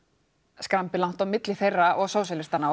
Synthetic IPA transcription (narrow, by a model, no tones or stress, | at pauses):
skɾampɪlawn̥t̪awmɪt̪lɪθejrːaʔɔɣsaws̬ɛlɪst̪anːa